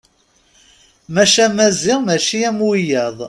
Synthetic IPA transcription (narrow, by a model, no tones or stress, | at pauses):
mæʃæmæziʁmæʃiæmwijæðˤ